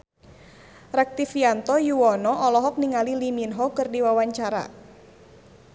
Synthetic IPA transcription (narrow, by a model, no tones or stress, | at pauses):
rɛk̚t̪ifiant̪ɔjuwɔnɔʔɔlɔɦɔk̚niŋaliliminɦɔkɨrdiwawaɲt͡ʃaɾa̰